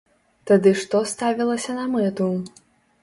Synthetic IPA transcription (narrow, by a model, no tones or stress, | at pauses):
t̪ad̪ɨʂt̪ɔst̪avʲilˠɐsʲɐnɐmɛt̪u